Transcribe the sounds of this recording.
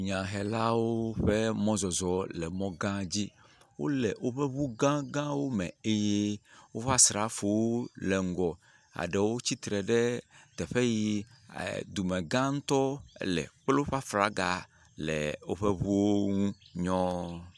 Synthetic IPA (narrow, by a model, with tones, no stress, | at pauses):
ɲã˨ɦɛ˨la˦wo˦ɸe˦mɔ̃˦zɔ˨zɔ˨lɛ˨mɔ̃˦ɡã˦d͡ʑi˦ | wo̰˦lɛ˨wo˦ɸe˦βu˦ɡã˦ɡã˦wo˦mɛ̰̃˨e˦je˦wo˦ɸa˦sɾa˦fo˨wlɛ˨ŋ̩˨ɡɔ˨ | a̰˨ɖe˨wo˦t͡ɕi˦t̪ɾɛ˨ɖɛ˦t̪ɛ˨ɸe˦jḭ˦˨ | d̪u˨mẽ˨ɡã˦ŋ̩˦t̪ɔ˦lɛ̰˨k͡plo˦ɸa˦fɾa˨ɡa̰˨ | lɛ̰˨wo˦ɸe˦βu˦wo˦ŋũ˦ɲɔ̃˦